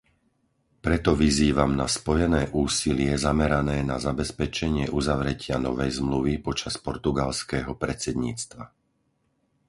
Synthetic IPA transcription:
pɾɛt̪ɔʋiziːʋamnaspɔjɛnɛːʔuːsilɪɛzamɛɾanɛːnazabɛspɛt͡ʃɛɲɪɛʔuzaʋɾɛcɪanɔʋɛjzmluʋipɔt͡ʃaspɔɾt̪uɡalskɛːɦɔpɾɛt͡sɛd̪ɲiːt͡st̪ʋa

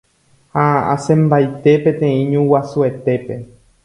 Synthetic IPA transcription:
haa̰sẽmbajt̪e̞pẽt̪ẽ̞ĩɲũwasue̞t̪e̞pe̞

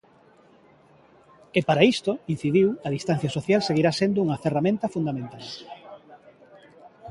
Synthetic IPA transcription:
epaɾaist̪oin̟θiðiwɐðist̪an̟θjasoθjalseɣiɾasend̪ouŋɐferamẽnt̪ɐfund̪amẽnt̪al

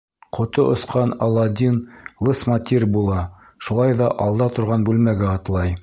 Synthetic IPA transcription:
qŏt̪oʔŏsqɑnɑlˠːɑd̪ʲinlˠɤsmat̪ʲirʲbulˠɑ | ʃulˠɑjðɑʔɑlˠd̪ɑt̪ŏɾʁɑnbʉlmæɡæɑt̪lˠɑj

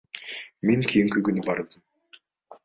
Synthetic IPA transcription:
meŋkʰijiŋkyɡynybɑɾd̪ɯm

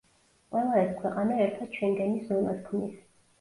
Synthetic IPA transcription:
qʼwɛlˠaɛskʰwɛqʼanaɛɾt̪ʰad̪̥̚t͡ʃʰwɛŋɡɛniszɔnaskʰmnis

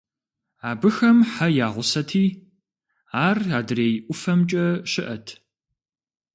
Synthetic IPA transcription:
aːbɨxɐmħajaːʁʷʊsɐtʰiː | aːraːdɨreːjʔʷʊfɐmt͡ʃʼɐɕɪʔɐtʰ

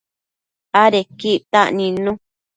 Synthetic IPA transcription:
aɾekiʔt̪a̰ʔnĩnũ

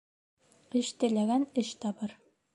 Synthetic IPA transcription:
ɘ̆ʃt̪ɘ̆læɡænɘʃt̪ɑbɤɾ

